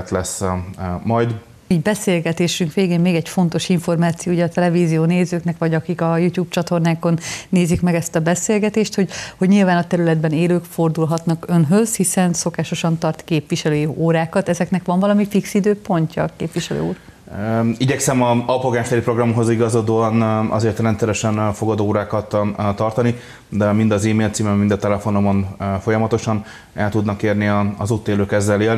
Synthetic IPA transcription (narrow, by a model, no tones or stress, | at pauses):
t̪lɛs | mɒjd̪ | iɟbɛseːlɡɛt̪eːʃyŋkʋeːɡeːnmeːɡɛɟfo̞nt̪o̞ʃiɱfo̞rmaːt̪sijoːujɛɒt̪ɛlɛviːzijoːneːzøːknɛkʋɒɟɒkikɒjuːt̪juːbt͡ʃɒt̪o̞rnaːko̞nːeːzikmɛɡɛst̪ɒbɛseːlɡɛt̪eːʃt̪ho̞ɟhoɟɲilvaːnɒt̪ɛɾylɛd̪bɛneːløːkfo̞rd̪ulɦɒt̪nɒkø̞nɦøzhisɛnso̞kaːʃo̞ʃɒnt̪ɒrt̪keːpʋiʃɛløːjioːɾaːkɒt̪ɛzɛknɛkʋɒɱvɒlɒmifiksid̪øːpo̞ɲcɒkeːpʋiʃɛlø̰ːṵːr | iɟɛksɛmɒɒpoɡaːɲfɛɾipro̞ɡrɒmɦo̞ziɡɒzod̪oːɒnɒ̰zeːrt̪ɾɛnt̪sɛɾɛʃɛnfo̞ɡɒd̪oːɾaːkɒt̪ːt̪ːɒrt̪ɒni | d̪ɛmind̪ɒziːmeːlt̪siːmɛmmind̪ɒt̪ɛlɛfo̞nomo̞nfo̞jɒmɒt̪o̞ʃɒn | ɛlt̪ud̪nɒkeːrniɒ̰zut̪ːeːløːkɛzːɛleːl